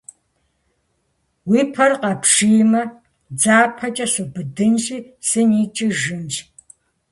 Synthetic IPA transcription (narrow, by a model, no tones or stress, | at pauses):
wiːpʰɐrqɐpʂijmɐ | d͡zaːpʰɐt͡ʃʼɐsubɨdɨnɕʼiːsɨniːt͡ʃʼɪʒɨnɕʼ